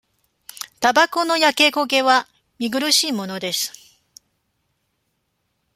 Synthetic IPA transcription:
t̪abako̞no̞jake̞ɡo̞ɡe̞βa | mʲiɡɯ̟ɾɯ̟ɕiːmo̞no̞d̪e̞sɨ̥

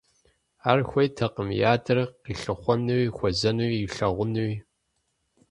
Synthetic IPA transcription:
aːrxʷɐjtʰɐqəmjaːdɨrqiːɬɨχʷɔnɨwixʷɔzɐnuwiɬɐʁʷʊnuwi

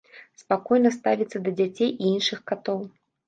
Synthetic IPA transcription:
spakɔjnɐst̪avʲit̪sːɐd̪ɐd͡zʲat͡sʲejiinʂɨxkat̪ɔw

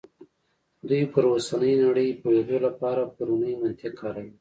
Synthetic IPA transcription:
d̪ujpəɾwasanəjnaɽəjpojed̪olapɑɾapaɾunəjmɪnt̪ɪqʰaɾawi

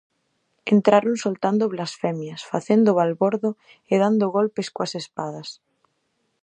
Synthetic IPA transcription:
ent̪ɾaɾõnsolt̪and̪oβlasfɛmjɐsfaθend̪oβalβoɾðo | eðand̪oɣolpeskwɐsespaðɐs

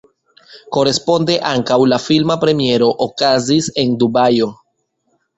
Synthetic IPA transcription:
ko̞ɾe̞spo̞nde̞ʔaŋkawlafilmapɾe̞mie̞ɾo̞ʔokazise̞ndubajo̞

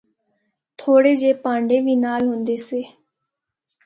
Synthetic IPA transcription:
t̪ʰoːɽeːd͡ʒeːpãːɳɖeːʋiːnaːlɦʊnd̪eːseː

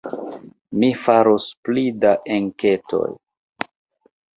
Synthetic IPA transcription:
mifaɾosplidaʔeŋketʰo̞̰j

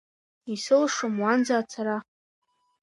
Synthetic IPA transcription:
isɨlʂamwand͡zaːt͡sʰaɾaχ

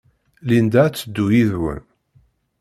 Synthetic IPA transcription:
lind̪æt͡sːəd̪ːujiðwə̰n

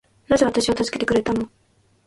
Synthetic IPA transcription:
naze̞βat̪aɕiβat̪azɨ̥ke̞t̪ekɯ̟ɾe̞t̪ano̞

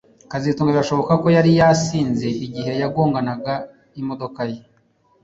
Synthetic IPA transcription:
kazituŋɡaɡaʃo̞βo̞kako̞jaɾijasiːnze̞ʔiɟihe̞jaɡoːŋɡanaɡa | imo̞do̞kaje

